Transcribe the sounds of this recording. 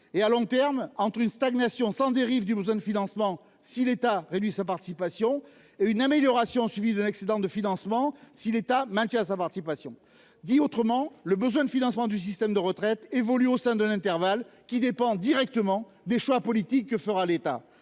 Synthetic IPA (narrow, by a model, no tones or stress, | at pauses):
ealɔ̃t̪ɛʁmɑ̃t̪χynst̪aɡnasjɔ̃sɑ̃d̪eʁivd̪ybəzwɛ̃d̪əfinɑ̃smɑ̃ | silet̪aʁed̪ɥisapaʁt̪i̥sipasjɔ̃ | eynameljɔʁasjɔ̃sɥivid̪ɛ̃nɛksed̪ɑ̃d̪əfinɑ̃smɑ̃silet̪amɛ̃t̪jɛ̃s̬apaʁt̪i̥sipasjɔ̃ | d̪iot̪χəmɑ̃ləbəzwɛ̃d̪əfinɑ̃smɑ̃d̪ys̬ist̪ɛmd̪əʁət̪χɛt̪evɔlyosɛ̃d̪ɛ̃nɛ̃t̪ɛʁvalkʲid̪epɑ̃d̪iʁɛk̚t̪əmɑ̃ | d̪eʃwapɔlit̪ikːəfəʁalet̪a̰